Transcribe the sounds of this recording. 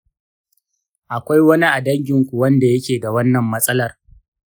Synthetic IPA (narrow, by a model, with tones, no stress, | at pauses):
ʔa˨kʷa˦jwɐ˦ni˦ʔa˨dɐ˦ŋɡʲɪ˨ŋkʷu˨wɐ˦nda˨jɐ˦kʲeː˨da˨wɐ˦nːɐ˨mːɐ˦sʼɐ˦lɐ˨r